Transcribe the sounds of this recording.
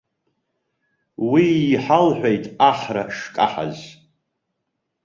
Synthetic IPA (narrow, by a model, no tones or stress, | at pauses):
wiːħalħʷᶣejtʼaχra̰ʂkʼa̰ħa̰z